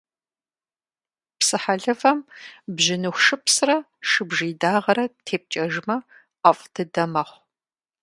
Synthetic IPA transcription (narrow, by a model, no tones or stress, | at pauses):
psɨħaɮɨvɐmbʑɪnɨxʷʃɨpsrɐ | ʃɨbʒiːdaːʁɐɾɐtʰeːp̚t͡ʃʼɐʒmɐ | ɐfʼtʰɨdɐmɐχʷ